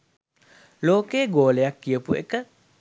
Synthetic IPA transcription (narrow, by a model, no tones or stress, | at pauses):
loːkeːɡoːleakːiəpuḛkə